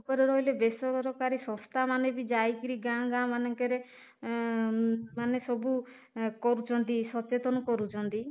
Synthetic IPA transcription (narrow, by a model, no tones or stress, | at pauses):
upɔɾeɾɔilebesɔɾɔɾɔkaɾisɔ̃st̪ʰamanebid͡ʒajkiɾiɡãɡãmanɔŋkɔɾe | manesɔbu | kɔɾut͡ʃʰɔnt̪isɔt͡ʃet̪ɔnɔkɔɾut͡ʃʰɔnt̪i